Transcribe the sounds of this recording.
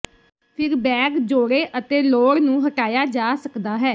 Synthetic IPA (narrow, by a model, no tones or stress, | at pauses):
pʰɪɾbɛːkd͡ʒoːɽeːʔət̪eːloːɽnũːɦəʈaːjaːd͡ʒaːsəkd̪aːɦɛː